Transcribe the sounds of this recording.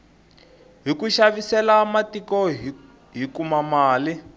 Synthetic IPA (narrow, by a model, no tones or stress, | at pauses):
ɦikuʃaβisɛlamatikɔ | ɦikumamaːli